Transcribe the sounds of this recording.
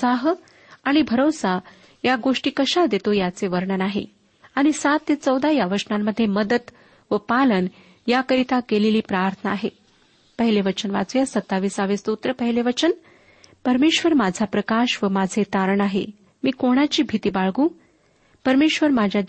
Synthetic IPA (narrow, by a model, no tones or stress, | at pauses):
saɦ | aɽ̃ibʱəɾosa | jaɡoʂʈiːkəɕad̪et̪ojat͡seʋəɾɳənaɦḛ | aɽ̃isat̪ːet͡səwd̪ʱajaʋəʂnamːəd̪ʱːjeməd̪ət̪ | ʋəpalən | jakəɾit̪akeleliːpɾaɾt̪ʰənaːɦe | pəɦileʋət͡ɕənʋa̰t͡sujasət̪ːaʋiːsaʋest̪ut̪ɾəpəɦileʋət͡ɕən | pəɾmeɕʋəɾmad͡zʱapɾəkaɕʋəmad͡zʱet̪aɾɳaɦḛ | miːkoɽ̃at͡ɕiːbʱit̪iːbaɭɡũː | pəɾmeɕʋəɾmad͡ʑʱja